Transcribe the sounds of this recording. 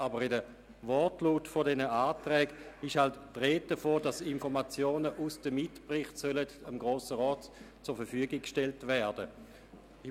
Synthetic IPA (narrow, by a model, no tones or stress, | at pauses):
ʔabəʁidə | vɔtluːtfodɛnəaːtʁɛːɡɪʃhaltːʁeːt̚d̥əfoːdɑsɪnfɔʁmat͡sjoːnəʔusd̥əmɪtpʁɪχtsœlətəmɡʁoːsəʁɔːtt͡sʊːɐfɛɐfyəɡɪkʃtɛltvɛɐd̥ə